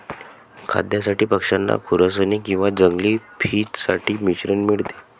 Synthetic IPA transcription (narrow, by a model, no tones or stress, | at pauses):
kʰa̰d̪jasaʈiːpəkʂanːa̰kʰuɾəsənikĩw̃ʋad͡zəŋɡliːpʰiːtsaʈʰiːmiɕɾənmiɭt̪e̥